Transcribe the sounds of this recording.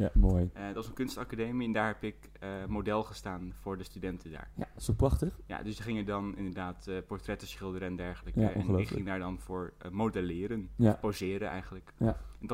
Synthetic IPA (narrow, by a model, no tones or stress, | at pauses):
jamojdtʋɑsənkʏnstɑkadejmiɛndaːɹɦɛpɪk | əmodɛlˠχəstaːnv̥ʊːɹdəstydɛntʰəda̰ːɹja̰soprɑχtəχja̰dəsdəχɪŋədɑnɪ̰ndəɹdaːtpɔɹtrɛtəsχɪlˠdəɾəɛndɛɹχələkəɛnɪkχɪŋdaːɹdɑnvʊːɹmodɛlɪːɾənpozɪːɾənʔɛ̰jχənləkjɛndɑ